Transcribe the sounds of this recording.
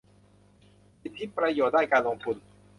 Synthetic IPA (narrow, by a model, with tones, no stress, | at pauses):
si˨˧˩t̪ʰːi˦˥pɾa˧joː˨˩d̪aː˥˩jkaː˧nlo˧ŋt̪ʰu˨˧˩n̚